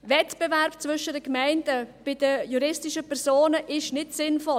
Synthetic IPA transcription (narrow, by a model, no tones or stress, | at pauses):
vɛtb̥ɛvɛɾpt͡svʏʃədəkmɛɪndəb̥ɪdəjuɾɪstɪʃəpʰɛɾsoːnəʔɪʃnɪtsɪnfɔ